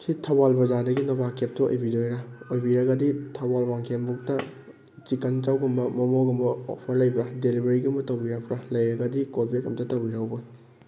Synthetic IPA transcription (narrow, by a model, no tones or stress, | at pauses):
sitʰɐwalbɐzadɐɡinɔbakep̚tɐo̰jbidojɾaojbiɾɐɡɐditʰɐwalwaŋkʰembuk̚tɐ | t͡ʃikɐnt͡ʃawɡumbɐmɐmoɡɐmbɐo̰pʰɐɾlɐjbɾadelibɐɾiɡumbɐtɐwbiɾɐk̚pɾalɐjɾɐɡɐdikolbekɐmtɐtɐwbiɾawbɐ